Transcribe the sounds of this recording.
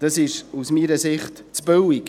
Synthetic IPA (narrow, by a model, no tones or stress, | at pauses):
d̥ɑsɪʃusmiːɾəsɪχt | t͡sb̥øwik